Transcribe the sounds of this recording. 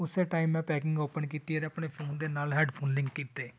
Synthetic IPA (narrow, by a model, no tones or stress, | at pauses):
ʊseːʈaːimːɛ̃ːpɛːkɪ̃ŋɡoːpənkiːt̪iːəɾəpɳeːpʰoːnd̪eːnaːlɦɛːɖpʰoːnlɪ̃ŋkːiːt̪eː